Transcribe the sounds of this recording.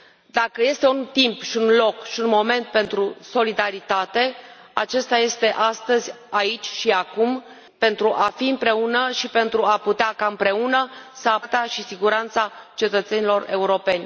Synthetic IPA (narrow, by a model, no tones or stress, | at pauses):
d̪akəje̞st̪eunt̪impʃiunlo̞kʃiunmo̞me̞nt̪̚pe̞nt̪ɾuso̞lid̪aɾit̪at̪e̞ | a̰t͡ʃe̞st̪aje̞st̪e̞ʔast̪əzʲ | ait͡ʃʲʃiakum | pe̞nt̪ɾuʔafiɨmpɾe̞unəʃipe̞nt̪ɾuaput̪eakaɨmpɾe̞unəsəat̪eaʃisiɡuɾant̪sat͡ʃe̞t̪ət̪se̞nilo̞re̞uɾo̞pe̞nʲ